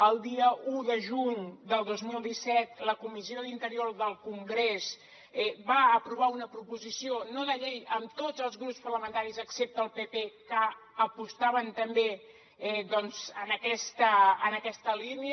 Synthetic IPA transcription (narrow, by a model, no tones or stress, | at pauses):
əlˠd̪iəʔuðəʒuɲd̪əlˠd̪ozmilˠd̪isɛt̪ləkumizioðint̪əɾioɾðəlˠkuŋɡɾes | ɛbaəpɾuβ̞aunəpɾupuzisionoðəʎejəmt̪ozəlˠzɣɾupspərləmənt̪aɾizəksep̚t̪əːlˠpepekəəpust̪aβənt̪əmbe | ɛðɔnzənəkɛst̪əənəkɛst̪əliniə